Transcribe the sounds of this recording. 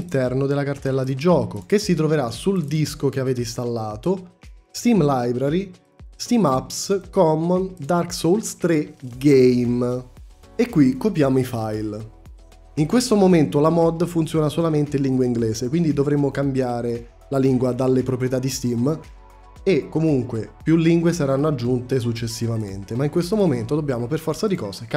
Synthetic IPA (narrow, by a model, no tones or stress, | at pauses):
nt̪ɛrnod̪elːakart̪ɛlːad̪id͡ʒɔːkok̟esːit̪ɾoveɾasuld̪iskok̟eaveːt̪eist̪alːaːt̪ost̪imlajbɾaɾi | st̪imapskɔmːɔnd̪arksolst̪ɾeɡejm | ekːwikːopjaːmoifajl | iŋkwest̪omoment̪olamɔd̪funt̪sjɔːnasolament̪enlːiŋɡwaiŋɡleːsekwind̪id̪ovɾemːokambjaːɾe | laliŋɡwad̪alːepɾopɾjet̪ad̪ːist̪im | ekːomuŋkwepjulːiŋɡwesaɾanːoad͡ʒːunt̪es̬ut͡ʃːesːivamḛnt̪emaiŋkwest̪omoment̪od̪obːjaːmoperfɔrt̪sad̪ikɔːzek